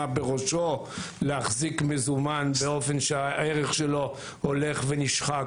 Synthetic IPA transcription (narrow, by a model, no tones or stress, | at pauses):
abeʁo̞ʃo̞leaχzikmezumanbeo̞fe̞nʃeaeʁeχʃelo̞ | hole̞χveniʃχa